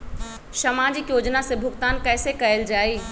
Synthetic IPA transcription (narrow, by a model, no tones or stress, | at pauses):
səmaːd͡ʒikjoːd͡ʒnasẽbʱʊkt̪aːnkɛːsekəeld͡ʒaːiː